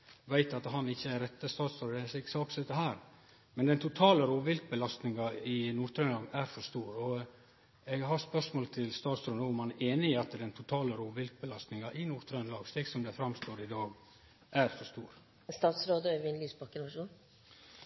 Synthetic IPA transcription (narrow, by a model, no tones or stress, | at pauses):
ʋæɪt̪ɑt̪ɦɑnɪçːəæɾɛt̪ːəst̪ɑːt̪sɾoːd̪sɛksɑːksɛt̪ːəɦæːɾ | mɛnd̪ɛnt̪ʰʊt̪ʰɑːləɾoːʋɪlk̚bəlɑst̪nɪŋɑɪnuːɾt̪ʰɾœnɑːɡæɾfɔst̪uːɾɔ | ɛɡɦɑɾspœʂmoːlt̪ʰɪlst̪ɑːt̪sɾoːd̪əʊmhɑnæʔeːnɪɪɑt̪d̪ɛnt̪ʰʊt̪ʰɑːləɾoːʋɪlk̪̚bəlɑst̪nɪŋɑʔɪnuːɾt̪ʰɾœnlɑːɡst̪eːɡsɔmd̪ɛfɾɑmst̪oːɾɪd̪ɑːɡ | ʔæɾfɔst̪uːɾ | st̪ɑːt̪sɾoːd̪əœʋɪnlyːsbɑkːənʋɑʂuːn